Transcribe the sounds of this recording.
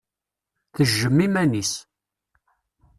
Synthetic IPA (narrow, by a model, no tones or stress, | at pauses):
θəʒːəmːimænis